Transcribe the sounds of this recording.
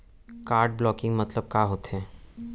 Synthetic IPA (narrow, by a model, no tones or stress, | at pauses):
kaːɾɖ̚blɔːkɪ̃ŋɡmɐt̪ləb̚kaɦoːt̪ɦɛ̃ː